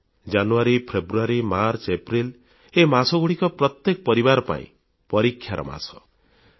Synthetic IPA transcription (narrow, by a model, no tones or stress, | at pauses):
d͡ʒanuaɾipʰebɾuaɾimaɾsepɾil | emasɔɡuɽikɔpɾɔt̪jekɔpɔɾibaɾɔpa̰ḭ̃ | pɔɾikʰːjaɾʔɔ̰ma̰sɔ